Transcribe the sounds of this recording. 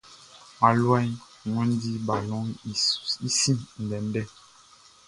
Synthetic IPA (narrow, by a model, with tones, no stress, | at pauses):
ma˨lwa˦i˦˨ | ŋɔ̃˦n˦di˦ba˨lɔ˦i˨i˦si˦n̩˨dɛ˨n˦bɛ˦